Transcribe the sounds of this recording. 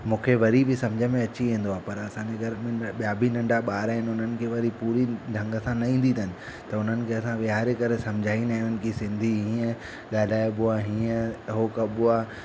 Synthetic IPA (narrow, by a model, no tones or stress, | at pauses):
mũːkʰeʋɐɾibʱɪsɐ̃md͡ʑʱəmẽɐt͡ɕiʋĩːn̆d̪oaːpɐɾɐsãːɲd͡ʑeɡʱɐɾəmẽɓijaːbʱinɐ̃ɳɖaɓaːɾaɦɪnɪʊn̤ənɪ̆kʰeːʋɐɾipuːɾiɖʱɐ̃ŋɡəsãnɐĩːn̆d̪ʱit̪ʰɐɦnɪ̆ | t̪ɐʊn̤ənɪ̆kʰeɐsãʋɪɦaːɾekɐɾesɐ̃md͡ʑʱaːinaɦɪnənɪ̆kʰisɪ̃nd̪ʱiɦĩːə̃ | ɠaːl̤aːjobʊaɦĩːə̃ɦoːkɐɓʊa